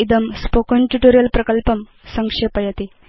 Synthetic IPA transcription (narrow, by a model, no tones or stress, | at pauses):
id̪ɐmspokɐnʈuʈoɾjɐlpɾɐkɐlpɐm | sɐŋkʂepɐjɐt̪i